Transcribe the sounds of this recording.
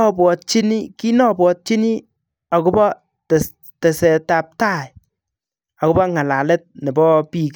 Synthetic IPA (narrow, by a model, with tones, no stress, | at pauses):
ɔ˦bwɔ˨t̚t͡ʃi˦ni˦ki˦nɔ˦bwɔ˧t̚t͡ʃi˦ni˦ | a˨ku˦bɔ˦ | tɛ˨s | tɛ˨sɛ˨ta˨p̚ta˦˨j | a˨kʊ˦bɔ˦ŋa˨la˨lɛ˦t̚nɛ˨bɔ˦pi˦˨k